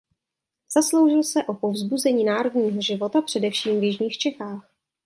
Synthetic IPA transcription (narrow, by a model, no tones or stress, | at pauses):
z̥aslo̞wʒɪlsɛʔo̞po̞vzbuzɛɲiːnaːɾodɲiːɦo̞ʒɪvo̞t̪apr̥ɛdɛfʃiːmvjɪʒɲiːxt͡ʃɛxaːx